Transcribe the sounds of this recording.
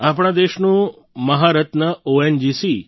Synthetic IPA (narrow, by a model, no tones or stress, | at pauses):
apɳ̃ãd̪eʃnũ | məɦaɾət̪nəoend͡ʒisi